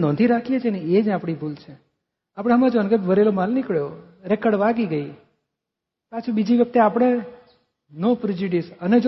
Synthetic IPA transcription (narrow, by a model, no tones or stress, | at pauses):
nɔ̃t̪ʰiɾakʰijet͡ʃʰeneed͡ʒapɽ̃ibʱult͡ʃʰe | apɽ̃eɦəmãd͡ʒoənkəkʋəɾelomalnikɭjo | ɾɛkəɖʋaɡiɡəi | pat͡ʃʰubid͡ʒiʋjək̚t̪eapɽ̃e | nopɾed͡ʒuɖisəned͡ʒ